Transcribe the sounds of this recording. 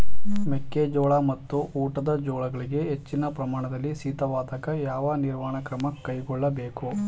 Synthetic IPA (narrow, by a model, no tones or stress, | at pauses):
mekːed͡ʒɔːɭamɐt̪ːuuːʈɐd̪ɐd͡ʒɔːɭɐɡɐɭiɡe̞ɦet͡ʃːinɐpɾɐmaːɳɐd̪ɐlːisiːt̪ɐʋaːt̪ɐkɐjaːʋɐniɾmaːɳɐkɾɐmɐkːɐjkɔɭːɐbeːku